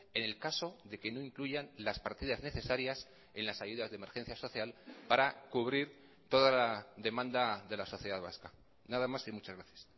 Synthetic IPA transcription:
e̞ne̞lkaso̞ðe̞ke̞no̞iŋkluʝanlaspaɾt̪iðazne̞θe̞saɾjas | e̞nlasaʝuðazðeme̞ɾxe̞n̟θjaso̞θjalpaɾakuβ̞ɾiɾ | t̪o̞ðalaðe̞mãnd̪aðe̞laso̞θjeðaðβa̰ska | naðamasimut͡ʃazɣɾaθjḁs

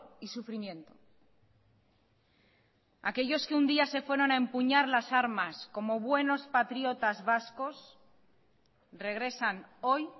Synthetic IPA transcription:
isufɾimjẽ̞nt̪o | ake̞ʎo̞ske̞und̪iase̞fwe̞ɾo̞naempuɲaɾlasaɾmasko̞mo̞βwe̞no̞spat̪ɾjo̞t̪azβasko̞s | re̞ɣ̞ɾe̞sano̞j

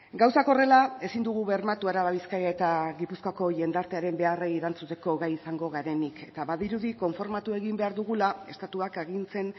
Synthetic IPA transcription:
ɡawsako̞re̞lae̞sind̪uɣ̞uβe̞ɾmat̪uaɾaβaβiskajae̞t̪aɣipuskoako̞ʝe̞nd̪aɾt̪e̞aɾe̞mbe̞areiɾant͡sut̪e̞ko̞ɣajisaŋɡo̞ɣaɾe̞nikʰe̞t̪aβaðiɾuðiko̞ɱfo̞ɾmat̪ue̞ɣimbe̞aɾðuɣulae̞st̪at̪uakeɣinse̞n

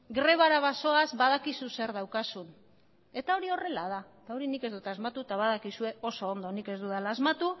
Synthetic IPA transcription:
ɡɾe̞βaɾaβaso̞azβaðakisuse̞ɾðawkasun | e̞t̪ao̞ɾio̞re̞lað̞aet̪ao̞ɾinike̞zd̪ut̪azmat̪ut̪aβaðakisue̞o̞so̞ːnd̪o̞nike̞zd̪uðalaːzmat̪u

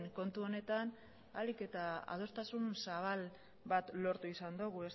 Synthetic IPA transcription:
ŋko̞nt̪uo̞ne̞t̪an | alike̞t̪aa̰ð̞o̞st̪asunsaβ̞al | bat̪lo̞ɾt̪uisand̪oɣuɾes

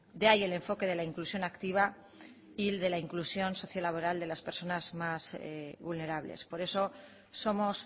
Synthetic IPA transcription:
d̪eaje̞le̞ɱfo̞ke̞ðe̞laiŋklusjo̞nakt̪iβ̞a | ild̪e̞laiŋklusjo̞nso̞θjalaβo̞ɾald̪e̞laspeɾso̞nazmazβulne̞ɾaβlḛspo̞ɾe̞so̞ | so̞mo̞s

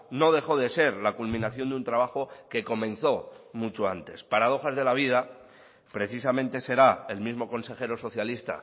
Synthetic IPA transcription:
no̞ð̞e̞xo̞ðe̞se̞ɾlakulmĩnaθjo̞nd̪unt̪ɾaβ̞axo̞ke̞ko̞mẽ̞nθo̞mut͡ʃoant̪e̞spaɾað̞o̞xazðe̞laβ̞ið̞a | pɾe̞θis̬amẽ̞nt̪e̞se̞ɾae̞lmizmo̞ko̞nse̞xe̞ɾo̞so̞θjalist̪a̰

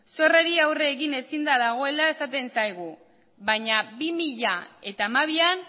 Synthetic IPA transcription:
so̞re̞ɾiawre̞ːɣine̞sind̪aðaɣ̞o̞e̞lae̞sat̪e̞nsajɣ̞u | βaɲabimiʎae̞t̪aːmaβ̞ian

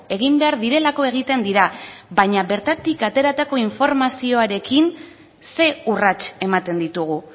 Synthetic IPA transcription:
e̞ɣ̞imbe̞aɾðiɾe̞lako̞e̞ɣ̞it̪e̞nd̪iɾaβaɲaβe̞ɾt̪at̪ikat̪e̞ɾat̪ako̞iɱfo̞ɾmasio̞aɾe̞kin | se̞urat͡ʃe̞mat̪e̞nd̪it̪uɣ̞u

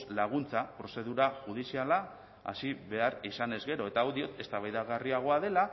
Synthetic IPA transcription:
laɣ̞unt͡sapɾo̞se̞ð̞uɾaʝuð̞isiala | a̰siβe̞aɾisane̞zɣe̞ɾo̞e̞t̪awðio̞t̪e̞st̪aβajðaɣariaɣ̞o̞aðe̞la

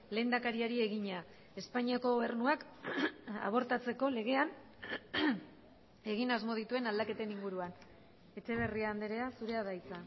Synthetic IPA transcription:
le̞nd̪akaɾiaɾie̞ɣiɲa | e̞spaɲiako̞ɣoβe̞ɾnuak | a̰β̞o̞ɾt̪at͡se̞ko̞le̞ɣ̞e̞an | e̞ɣ̞inazmo̞ðit̪ue̞nald̪ake̞t̪e̞niŋɡuɾuan | e̞t͡ʃe̞β̞e̞riaːnd̪eɾe̞asuɾe̞aðajt͡sa

